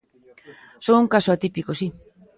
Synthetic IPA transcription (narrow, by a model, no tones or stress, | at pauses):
souŋkasoat̪ipikosi